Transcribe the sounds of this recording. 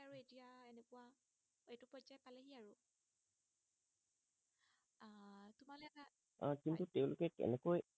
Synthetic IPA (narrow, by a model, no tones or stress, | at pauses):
aɹuetiaenɛkʊwa | etʊpɔd͡ʒajpalɛɦiaɹu | atumalɛa | ãkintutɛʊ̃lʊkɛkɛ̰nɛkoj